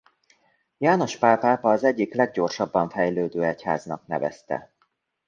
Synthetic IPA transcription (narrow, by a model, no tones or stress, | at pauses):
jaːno̞ʃpaːpaːpɒːzɛɟːiklɛɡ̚ɟo̞rʃɒbːɒɱfɛjløːd̪øːɛcha̰ːznɒk̚n̪ɛ̰vɛ̰st̪ɛ̰